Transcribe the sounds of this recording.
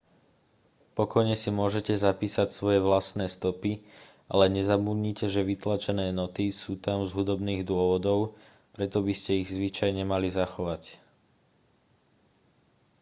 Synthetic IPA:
pɔkɔjɲɛsimʊɔʒɛcɛzapiːsacsʋɔjɛʋlasnɛːst̪ɔpi | ʔa̰lɛɲɛzabud̪ɲiːcɛʒɛʋit̪lat͡ʃɛnɛːnɔt̪isuːt̪amzɦud̪ɔbniːɣd̪ʊɔʋɔd̪ɔʊ | pɾɛt̪ɔbiscɛiɣzʋit͡ʃajɲɛmalizaxɔʋac

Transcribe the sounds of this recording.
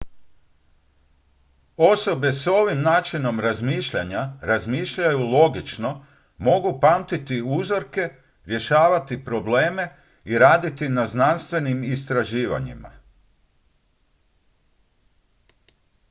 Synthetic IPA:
o̞so̞be̞so̞ʋimnaːt͡ʃino̞mɾazmiːʃʎaɲaɾazmiːʃʎajulˠo̞ɡit͡ʃno̞ | mo̞ɡupamt̪it̪iuzo̞ɾke̞ | ɾje̞ʃaːʋat̪ipɾo̞ble̞ːme̞ | iɾaːd̪it̪inaznanst̪ʋe̞nimist̪ɾaʒiːʋa̰ɲḭma̰

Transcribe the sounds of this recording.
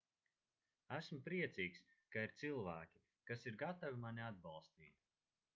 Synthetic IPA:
æsmpɾiɛt̪siːkskaiɾt̪sɨlˠvæːkʲi̥ | kasiɾɡat̪avimanʲiad̪̚bɑlˠst̪iːt̪̚

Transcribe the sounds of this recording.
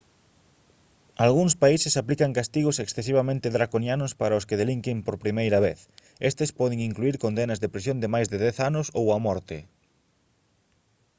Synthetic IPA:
alɣuŋspaisesaplikaŋkast̪iɣoseksθes̬iβ̞amẽnt̪ɪðɾakonjanʊspaɾaoskeðeliŋkɪmpoɾpɾimejɾɐβ̞eθ | est̪espɔðeŋiŋkluiɾkond̪enazðepɾis̬jond̪ɪmajzðeðɛθanʊsowamɔɾt̪ɪ

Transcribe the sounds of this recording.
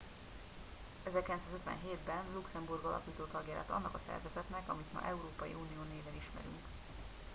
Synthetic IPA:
ɛzɛrkilɛnsaːzøt̪ʋɛ̰nɦeːd̪bɛnluksɛmburɡɒlʔɒ̰kiːt̪oːt̪ɒɡjɛɾa̰ːt̪ɒ̰nːɒkɒsɛ̰rvɛzɛt̪nɛkɒmit̪mɒ̰ʔɛuɾoːpɒjḭʔuːnijoːneːvɛliʃmɛ̰ɾy̰ŋk

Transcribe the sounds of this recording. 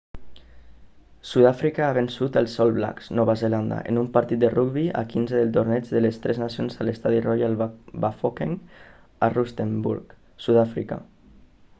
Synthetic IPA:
suðafɾikaaβensut̪əlˠsɔlˠβla̰kz̥nɔβazeland̪a̰ʔḛnumpaɾt̪it̪̚d̪əruɡβia̰kinzeðəlˠt̪oɾnɛd͡ʒðəlest̪ɾɛznasionzalest̪aðirɔjalbafokeŋ | arust̪embṵɾk | suðafɾika̰

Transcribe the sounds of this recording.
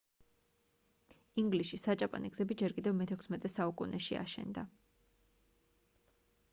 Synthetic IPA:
iŋɡlisisat͡ʃʼapʼa̰niɡzɛbid͡ʒɛɾkʼid̪ɛvmɛt̪ʰɛkʰsmɛt̪ʼɛsaukʼunɛʃia̰ʃɛ̰nd̪a

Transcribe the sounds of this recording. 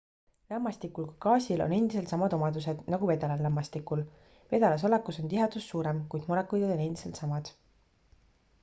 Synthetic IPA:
lɑmːɑst̪ikːˑulkɑkɑːsʲilo̰ne̞nd̪̥is̬e̞lt̪sɑmɑd̪o̞mɑd̪us̬e̞d̪̥nɑɡ̥ume̞d̪̥ɑlɑlːɑmːɑst̪ikːul | ve̞d̪̥ɑlɑs̬o̞lekːˑuso̞nt̪iɦɑd̪̥usːuːɾemkujd̪̥muɾekːˑujd̪ɑd̪o̞ne̞nd̪̥ise̞lt̪sɑmɑd̪̥

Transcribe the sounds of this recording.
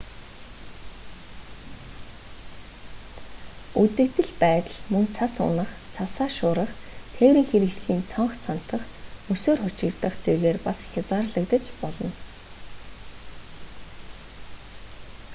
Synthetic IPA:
ut͡sɘ̆kt̪ɘ̆ɮpæːt̪ə̆ɮmɵŋt͡sʰasʊ̰nə̆χ | t͡sʰasaːʃʊːɾə̆χ | t̪ʰeːwɾiːŋxeɾɘ̆ksɮiːnt͡sʰɔɴχt͡sʰan̥t̪ə̆χ | mɵsoːrχʊt͡ɕɪ̆rt̪ə̆χt͡serɣeːrpasxʲat͡saːrɮə̆kt̪ə̆t͡ɕpɔɮɞ̆n

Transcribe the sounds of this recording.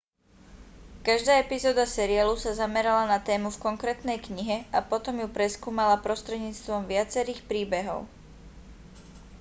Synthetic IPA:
kaʒd̪aːɛpizɔːd̪asɛɾɪalusazamɛɾalanat̪ɛːmufkɔŋkɾɛːt̪nɛjkɲiɦɛapɔt̪ɔmjupɾɛskuːmalapɾɔst̪ɾɛd̪ɲiːt͡st̪ʋɔmʋɪat͡sɛɾiːxpɾiːbɛɦɔ̰ʊ

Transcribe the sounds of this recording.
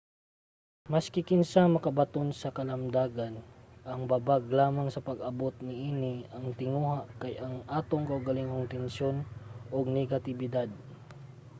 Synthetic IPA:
mɐskɪkɪnsamɐkɐbɐt̪onsɐkɐlɐmd̪aːɡanʔɐŋbabaɡlaːmaŋsɐpɐɡɐbot̪nɪʔiːnɪɐŋt̪ɪŋuːhaʔkɐjʔɐŋʔaːt̪oŋkɐʔʊɡɐlɪŋoŋt̪ɛnʃonoɡ̚nɛɡɐt̪ɪbɪd̪ad̪̚

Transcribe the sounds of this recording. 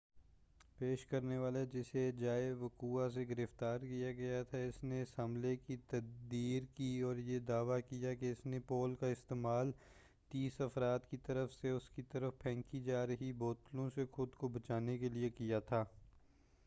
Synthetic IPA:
peːʃkɐɾneʋaːled͡ʒɪsed͡ʒaːeʋɐkuːas̬eɡɪɾɪft̪aːɾkijaɡɐjat̪ʰaɪsneɪsɦɐ̃mlekit̪ɐd̪iːɾkiɔːɾjed̪aːʋakijakeɪsnepoːlkaɪst̪eːmaːl | t̪iːsɐfɾaːd̪kit̪ɐɾəfseʊskit̪ɐɾəfpʰɛ̃ːŋkid͡ʒaːɾɐɦiboːt̪lõsexʊd̪kobɐt͡ʃaːnekeliekijat̪ʰaː

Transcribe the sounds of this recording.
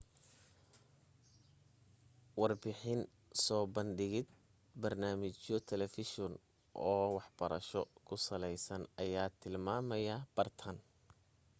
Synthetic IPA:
wɑrbɪħɪn | sɔːbɐnɖɪɣɪd̪̚ | bɐrnaːmɪt͡ʃɔt̪ʰɛlɛfɪʃɔn | ʔɔːwɑħb̥ɐɾɐʃɔkʰʊsɐlɛjsɐnɐjaːt̪ʰɪlmaːmɐjɐb̥ɐrt̪ʰɐn

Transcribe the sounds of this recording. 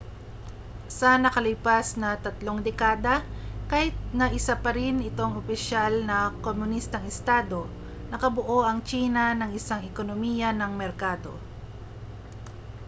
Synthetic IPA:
sɐnɐkɐlɪpasnɐt̪ɐt̪lo̞ŋd̪ɛkaːd̪ɐkahɪt̪̚nɐʔɪsapɐɾɪnɪt̪o̞ŋopɪʃalnɐkomʊnist̪ɐŋɪst̪aːd̪o̞ | nɐkɐboʔo̞ʔɐŋt͡ʃiːnɐnɐŋɪsaŋɛkonomiːjɐnɐŋmɛɾkaːd̪o̞̰

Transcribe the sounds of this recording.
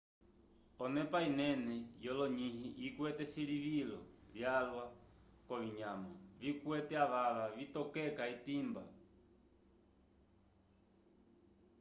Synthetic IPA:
ɔnɛpainɛnɛjɔlɔɲihiʔikwɛtɛsiɺivilɔ̰vjalwa | kɔβiɲamavikwɛtɛaβaʋavitɔkɛkaitimba̰

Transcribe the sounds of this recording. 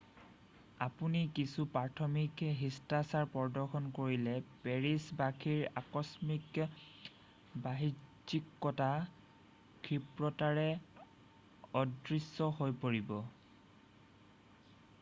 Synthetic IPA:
apunikisupaɹtʰɔmikɦistasaɹpɔɹdɔɹxʰɔnkoɹilɛpɛɹisbakʰiɹa̰kɔsmik | baɦid͡ʒikːɔta | kʰɹipɹɔtaɹɛ | ɔdɹisːɔɦojpoɹibɔ

